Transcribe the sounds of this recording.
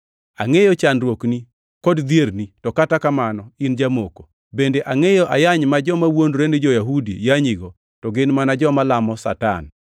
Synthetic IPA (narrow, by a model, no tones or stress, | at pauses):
a̰ŋejot͡ʃanɾwokni | kodd̪jeɾnitɔkatakamanɔind͡ʒamoko̥ | bendeʔaŋejoʔajaɲmad͡ʒɔmawondɾenɪd͡ʒɔjaɦudḭjaɲiɡo | tɔɡɪnmanad͡ʒɔmalamɔsa̰ta̰n